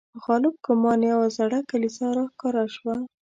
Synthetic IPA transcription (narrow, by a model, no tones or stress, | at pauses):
ɣɑlɪb̚kʊmɑnjawazaɽakalisaɾɑxkɑɾaʃwa